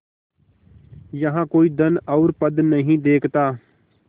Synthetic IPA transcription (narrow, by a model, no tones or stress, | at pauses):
jəɦãːkoːiːd̪ənɔʊɾpəd̪nəɦĩːd̪eːkʰt̪aː